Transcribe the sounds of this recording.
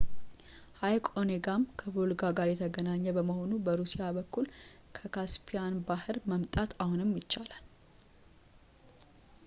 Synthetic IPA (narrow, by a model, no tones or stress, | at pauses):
hajkʼoneɡamkʰəvolɡaɡaɾjɛt̪ʰəɡənaɲːəbəməho̞nubəɾusijabəkːulkʰəkʰaspʰijanbahɨɾməmt̪ʼat̪ahunɨmjɪt͡ʃːalal